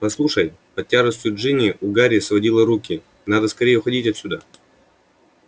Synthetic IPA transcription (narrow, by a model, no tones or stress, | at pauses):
pɐslˠuʂəjpɐtʲːaʐəsʲt̪ʲjʲʊʐɨnʲɪʔʊɡaɾʲɪsvɐdʲilˠəɾukʲɪ | nad̪əskɐɾʲejɪʊxɐdʲitʲɐt̪sʲʊd̪a